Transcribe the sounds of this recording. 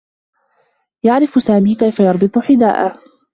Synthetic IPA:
jaʕɾɪfsaːmiːkajfajɑɾˤbɨt̪ˤʊħɪd̪a̰ːʔa

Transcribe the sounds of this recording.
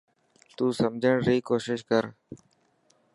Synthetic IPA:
t̪uːsəmd͡ʒʱəɳɾiːkoːʃɪʃkəɾ

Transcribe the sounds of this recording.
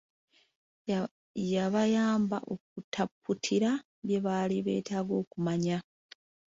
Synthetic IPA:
jaβajaːmba̰ʔok̚utʰapːutʰiɾa | βje̞βaliβe̞̰ːtaːɡo̞ːkumaɲa

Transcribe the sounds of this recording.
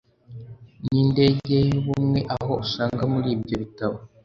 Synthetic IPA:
niːnde̞ɟejoβumŋe̞ʔaɦo̞usaːŋɡamuɾiːbɟoβitaβo

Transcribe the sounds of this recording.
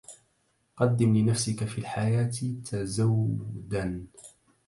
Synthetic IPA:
qɑd̪ːɪmlɪnafsɪkafiːlħajaːt̪ɪt̪ʰazawːd̪an

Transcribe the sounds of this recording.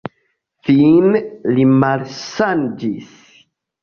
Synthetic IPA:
finlimalʃand͡ʒis

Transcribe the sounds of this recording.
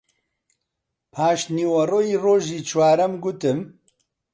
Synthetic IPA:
pʰaːʃniwɐrojiːroːʒiːt͡ʃʰwaːɾɐmɡʊt̪ɨm

